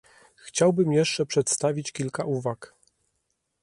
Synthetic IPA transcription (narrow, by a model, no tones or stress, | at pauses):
xt͡ɕawbɘmjɛʂt͡ʂɛpʂɛt̪st̪avʲit͡ɕkʲilkaʔuvak